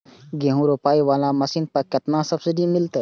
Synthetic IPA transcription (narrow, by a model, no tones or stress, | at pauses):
ɡẽːɦũɾopaːiʋaːlãmɐsiːnpɐkɐt̪nãsɐbsɪɖimɪlt̪ː